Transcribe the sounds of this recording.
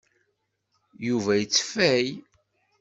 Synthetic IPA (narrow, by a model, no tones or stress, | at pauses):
juvæjət͡sːfæj